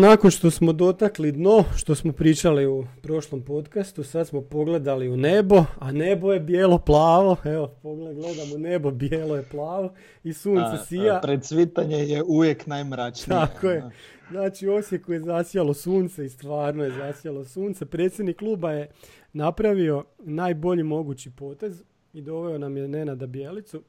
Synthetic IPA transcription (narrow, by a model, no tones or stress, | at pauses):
nakonʃt̪o̞smo̞d̪o̞t̪aklid̪no̞ʃt̪o̞smo̞pɾiːt͡ʃaliupɾo̞ʃlo̞mpo̞t̪kast̪usad̪smo̞po̞ɡle̞d̪aliune̞bo̞ane̞bo̞je̞bjeːlˠo̞plˠaːʋo̞eopoɡleɡled̪amone̞bo̞bjeːlo̞jeplˠaːʋo̞ | isuːnt̪sesijapɾed̪sʋit̪aɲejeuʋjeknajmɾat͡ʃt̪akoje | znaːt͡ʃio̞sje̞kuje̞zasjalˠosuːnt̪seist̪ʋaːɾnoje̞zasjalo̞suːnt̪sepɾet̪sje̞d̪nikːlˠuːbaje̞ | napɾaʋio̞naːjbo̞ʎimo̞ɡut͡ɕipo̞ːt̪e̞z | id̪o̞ʋeonamjene̞nad̪abijeːlit̪su